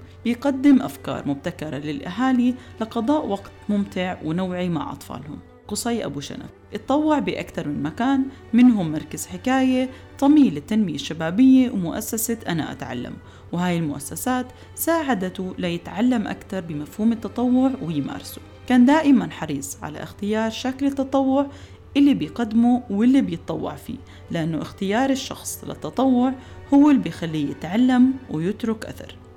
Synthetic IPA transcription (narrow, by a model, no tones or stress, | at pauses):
b̥ɪjɡad̪ːɪmʔafkɑ̰ːɾˤmʊb̚t̪akɑɾˤɑlɪlʔaɦaːlilɪqɑd̪ˤɑːʔwaɡt̪mʊmt̪ɪʕwnawʕima̰ʕʔɑ̰t̪ˤfɑ̰ːlhʊ̰m | qʊsˤɑjʔa̰buʃa̰na̰fʔɨt̪ˤːɑwːɪʕbɪʔa̰kt̪ɑɾˤmɪnmakaːn | mɪnɦʊmːɑɾˤkaz̥ħɪkaːje | t̪ˤɑmiːlɪt̪ːanmɪjaʃːabaːbɪjːewmʊʔa̰sːasaʔana̰ʔa̰t̪ʕa̰lːa̰m | wɪhaːjɪlmʊʔasːasaːt̪ | saːʕad̪at̪ulajɪt̪ʕalːamʔa̰kt̪ɑɾˤbɪmafhuːmɪt̪ːɑt̪ˤɑwːʊʕwɪjma̰ːɾˤɑsu̥ | kaːnd̪aːʔɪmanħɑɾiːsˤʕa̰la̰ʔɪxt̪ɪjɑːɾˤʃaklɪt̪ːɑt̪ˤɑwːʊʕ | ʔɪlːibɪjqad̪ːmuwɪlːibjɪt̪ˤːɑwːɑ̰ʕfḭː | lɪʔanːʊʔɪxt̪ɪjɑːɾˤɪʃːɑ̰xsˤlɪ̰t̪ːɑt̪ˤɑwːʊʕhʊwːɪlːbɪjxalːijɪt̪ʕalːamwɪjɪt̪ɾʊkʔa̰θɑ̰ɾˤ